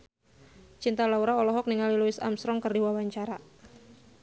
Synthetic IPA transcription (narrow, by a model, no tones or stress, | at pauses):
t͡ʃint̪alauɾaɔlɔɦɔk̚niŋaliluɪsa̰msɾɔŋkərdiwawaɲt͡ʃaɾa